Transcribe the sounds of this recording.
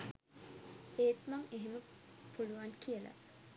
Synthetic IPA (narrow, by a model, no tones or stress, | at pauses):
eːt̪maŋeɦeməpuluʋaŋkiəla̰